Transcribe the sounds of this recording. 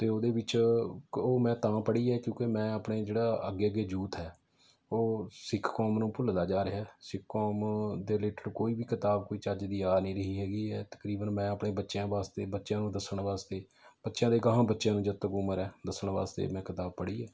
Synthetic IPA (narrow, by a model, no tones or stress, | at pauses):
t̪eːoːd̪eːʋɪt͡ʃ | oːmɛ̃ːt̪ãːpəɽiːɛːkjõːkemɛ̃ːəːpɳeːd͡ʒeːɽaːəɡeːəɡeːd͡ʒuːt̪ɦɛː | oːsɪkʰkɔːmnũːpʊld̪aːd͡ʒaːɾɪɦɛːsɪkʰkoːmd̪eːleːʈəɾkoːiːbiːkɪt̪aːb̚koːiːt͡ʃəd͡ʒd̪iːaːnĩːɾəɦiːɦɛːɡiːɛːt̪ə̥kɾiːbənmɛ̃ːəpɳeːbətːʃjãːʋaːst̪ḛːbətːʃjãːnũːd̪əsəɽ̃ʋaːst̪eː | b̥ətːʃjãːd̪eːɡəɦãːbətːʃjãːnũːd͡ʒət̪ːəkʊməɾɛ̃ːd̪əsəɽ̃ʋa̰ːst̪ḛːmɛ̃ːkɪt̪aːb̚pəɽiːɛː